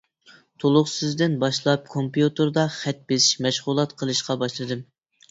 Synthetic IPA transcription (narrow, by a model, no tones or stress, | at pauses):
t̪ʰolˠʊχsɨzd̪ɪnbɑʃlˠɑp̚kʰompjut̪ɨɾd̪ɑχɛt̪̚besɪ̥ʃmɛʃʁʊlˠɑt̪qʰəlˠɨʃqɑbɑʃlˠɨd̪ɨm